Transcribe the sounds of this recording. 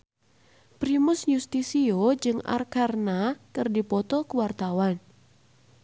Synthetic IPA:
pɾimʊsɲust̪isiod͡ʒɨŋa̰rkarnakərdipɔt̪ɔkəwart̪awan

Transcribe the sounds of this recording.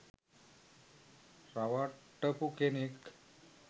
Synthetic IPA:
ɾaʋaʈːəpukenik

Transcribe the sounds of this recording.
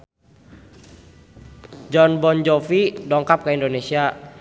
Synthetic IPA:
d͡ʒɔnbɔnd͡ʒofidɔŋkap̚kəindonesia

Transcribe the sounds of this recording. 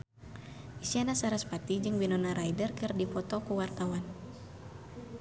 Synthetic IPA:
ʔisianasaɾaspat̪id͡ʒɨŋbinɔnaɾajdərkɨrdifɔt̪ɔkuwart̪awan

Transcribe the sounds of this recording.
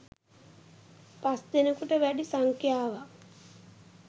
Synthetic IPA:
pasd̪enəkuʈəʋæɖisaŋkjaːʋa

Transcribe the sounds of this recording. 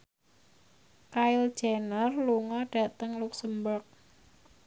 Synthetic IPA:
kaɪld̥ʒ̥anərluŋɔɖ̥ä̤t̪əŋluksəmbərk̚

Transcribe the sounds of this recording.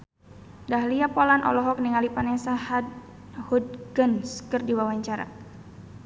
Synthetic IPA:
daɦliapɔlanʔɔ̰lɔɦɔk̚niŋalipanɛsahad | hud̚ɡənskɨrdiwawaɲt͡ʃaɾa̰

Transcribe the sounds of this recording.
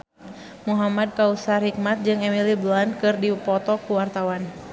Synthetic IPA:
muɦamad̚kausarhik̚mat̪̚d͡ʒɨŋɛmiliblankɨrdipɔt̪ɔkuwart̪awan

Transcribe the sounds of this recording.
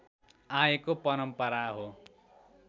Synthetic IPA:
aekopʌɾʌmpʌɾaɦo

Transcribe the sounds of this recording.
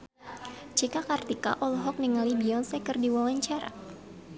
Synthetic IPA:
t͡ʃikakart̪ika̰ʔɔlɦɔk̚niŋalibiɔnsɛkɨrdiwawaɲt͡ʃaɾa̰

